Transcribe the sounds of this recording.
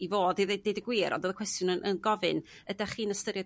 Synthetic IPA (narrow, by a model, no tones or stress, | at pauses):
ivoːdiðedejdəɡwɪːɾʔɔ̰doːðəkʰwɛstjʊnənʔənɡɔvɨn | ədaχiːnəstəɾja